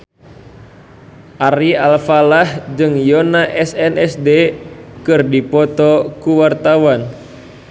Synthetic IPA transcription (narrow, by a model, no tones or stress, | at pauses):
ʔaɾialfalahd͡ʒɨŋjonaʔɛsɛnɛsdekɨrdipɔt̪ɔkuwart̪awan